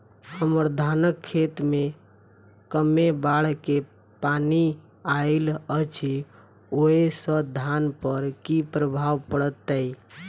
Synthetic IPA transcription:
həməɾd̪ʱanəkʰːet̪me | kəmebaɽke | pani | aɪlət͡ʃʰi | oesəd̪ʱanpəɾkipɾəbʱawpəɽət̪ːəi

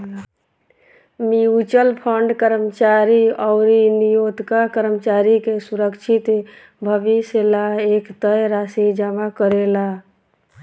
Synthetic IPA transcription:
miut͡ʃəlpʰəɳɖkəɾəmət͡ʃaɾiɔʊɾinijod̪kakəɾəmət͡ʃaɾikesuɾəkt͡ʃʰit̪ | bʱəʋiselaekt̪əjɾasid͡ʒamakəɾela

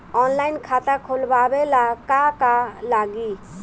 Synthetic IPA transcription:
ɔnlaɪnkʰat̪akʰolbabelakakalaɡi

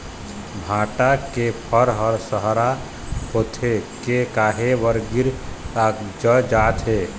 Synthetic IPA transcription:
bʱaʈakepʰəɾɦəɾsəɦɾa | hot̪ʰekekaɦeʋəɾɡiɾtakd͡ʒəd͡ʒat̪ɦe

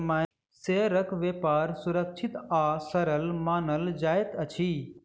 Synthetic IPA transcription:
ma | seːɾəkʋeːpaːɾsʊɾəkt͡ʃʰit̪aːsəɾəlmaːnəld͡ʒaːjt̪ət͡ʃʰiː

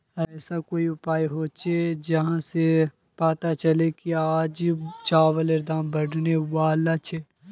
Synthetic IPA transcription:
ɛːsakoːiʊpaːjɦoːt͡ʃʰed͡ʒɐɦãse | pat̪at͡ʃɐlekiaːd͡ʒt͡ʃaːʋəleɾd̪ãːmbɐɽneʋaːlat͡ʃʰe

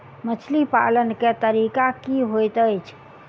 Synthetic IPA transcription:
mət͡ʃʰlipa̰lənket̪əɾikakiɦojt̪əjt͡ʃʰ

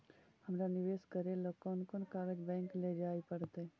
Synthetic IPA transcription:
həmɾanɪʋeːskəɾeləkɔnkonkaːɾed͡ʒbɛ̃ːŋkled͡ʒaːipəɽt̪e

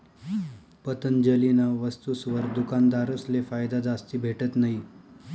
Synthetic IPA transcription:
pət̪ənd͡ʑəlinaʋəst̪usʋəɾd̪ukand̪aɾəslefajd̪ad͡zast̪iːbʱeʈət̪naɦi

